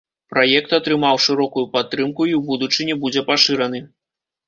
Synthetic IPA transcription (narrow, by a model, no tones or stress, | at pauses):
pɾajɛk̚t̪ɐt̪ɾɨmawʂɨɾɔkujupat̪ːɾɨmkuiwbud̪ut͡ʂɨnʲɛbud͡zʲɛpaʂɨɾɐn̪ɨ